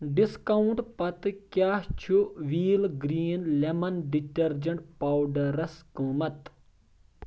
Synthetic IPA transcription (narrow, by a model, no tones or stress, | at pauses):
ɖiskɐwuɳʈpɐt̪kjaːht͡ʃʰuʋiːlɡɾiːnlemɐnɖiʈɐɾd͡ʒɐɳʈ̚paːwɖɐɾɐskɨ̃ːmɐt̪